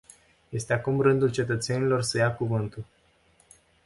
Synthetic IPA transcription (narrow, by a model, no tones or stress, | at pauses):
je̞st̪e̞akumrɨnd̪ult͡ʃe̞t̪ət̪se̞nilo̞rsəjakuvɨnt̪ul